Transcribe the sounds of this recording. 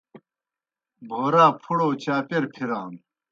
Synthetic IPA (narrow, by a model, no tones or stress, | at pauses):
bʱəʁɾapʰuɽot͡ɕʰapeɾpʰeɾan